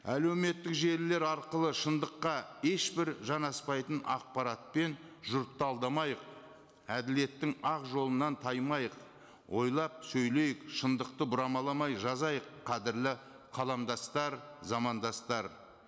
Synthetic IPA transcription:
æle̞wme̞t̪ːɪkʒe̞ɾɪle̞ɾɑɾqəlˠəʃənd̪əqːɑe̞ʃbɪɾʒɑnɑspɑjt̪ənɑ̰q̚pɑɾɑt̪̚pe̞nʒʊɾt̪ːɑlˠd̪ɑmɑjəq̚ | æd̪ɪle̞t̪ːɪŋɑqʒo̞lˠənɑnt̪ʰɑjmɑjəq | wo̞jlˠɑp̚sɵjle̞jɪkʃənd̪əq̚t̪əbʊɾɑmɑlˠɑmɑjʒɑzɑjəqʰːɑd̪ɪɾlɪ | qʰɑlˠɑmd̪ɑst̪ɑɾzɑmɑnd̪ɑst̪ɑɾ

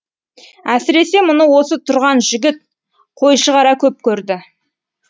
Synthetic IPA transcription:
æsɪɾe̞se̞mʊnəwo̞sət̪ʰʊɾʁɑnʒɪɡʲɪt̪̚ | qʰo̞jʃəʁɑɾɑkʲʰɵp̚kʲʰɵɾd̪ɪ

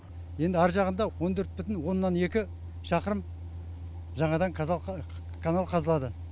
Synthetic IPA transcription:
je̞nd̪ɪɑɾʒɑʁənd̪ɑwo̞nt̪ʰɵɾt̪̚bʏt̪ɪnwo̞nːɑne̞kʲɪ | ʃɑqəɾəm | ʒɑɴɑd̪ɑŋk̪ʰ | kʰanalˠqʰɑzəlˠɑd̪ə

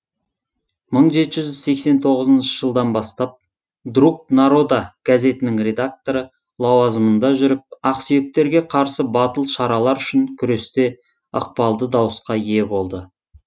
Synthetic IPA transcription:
məɴʒe̞t̪ɪʒʏzʒʏz̥se̞kse̞nt̪ʰo̞ʁəzənʃəʒəlˠd̪ɑnbɑst̪ɑp̚ | d̪ruk̚t̪naɾo̞d̪aɡ̥aze̞t̪ɪnɪŋrʲe̞d̪ak̚t̪o̞ɾə | lˠɑwɑzəmənd̪ɑʒʏɾɪp̚ɑqsije̞k̚t̪e̞ɾɡʲe̞qʰɑɾsəbɑt̪əlˠʃɑɾɑlˠɑɾʏʃɪŋkʲʰʏɾe̞st̪e̞ | ə̰q̚pɑlˠd̪əd̪ɑwəsqɑie̞bo̞lˠd̪ə

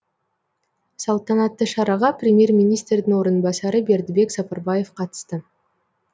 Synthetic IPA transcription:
sɑlˠt̪ɑnɑt̪ːəʃɑɾɑʁɑprʲɪmʲje̞rmʲinʲist̪rɾd̪ɪŋo̞ɾənbɑsɑɾəbe̞ɾd̪ɪbe̞ksɑpɑɾbɑje̞fqʰɑt̪ə̥st̪ə

